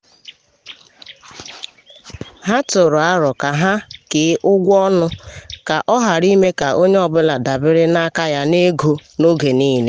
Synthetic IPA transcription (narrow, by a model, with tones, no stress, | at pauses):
ɦa˦tʊ˨ɾʊ˨a˦ɾɔ˨ka˨ɦa˦kɪ˨˦ʔʊ˦ɡʷɔ˦nʊ˦ka˨ʔɔ˦ɦa˨ɾi˦me˦ka˨ʔo˦ɲe˦ɔ˨bʊ˦la˨da˨bɪ˦ɾɪ˦na˦ka˦ja˦ne˦ɡo˦no˦ɡe˨niː˦ne˦